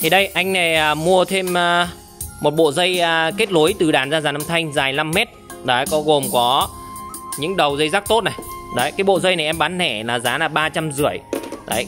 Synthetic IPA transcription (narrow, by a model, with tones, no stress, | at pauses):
t̪ʰi˨˩ɗə˧jʔa˧jŋ̟na˨˩jʔəː˨˩mu˧ət̪ʰe˧m˧ | mo˨˩t̚ɓo̰˧˨zə˧jke˦˥t̚lo˨˦jt̪ɨ˨˩ɗaː˨˩nzaː˧zaː˨˩ʔə˧mt̪ʰa˧jŋ̟zaː˨˩jla˧mːɛ˦˥t̚ɗə˨˦jkɔ˨˦ɣo˨˩mkɔ˨˦ | ɲɨ̰˧˥ŋɗə˨˩wzə˧jzaː˦˥k̚t̪o˦˥t̚na˨˩jɗə˨˦jkaː˨˦jɓo̰˧˨zə˧jna˨˩jʔɛ˧mɓaː˨˦nhɛ̰˧˩laː˨˩zaː˨˦laː˨˩ɓaː˧t͡ɕa˧mzɨ˧˩əjɗə˨˦j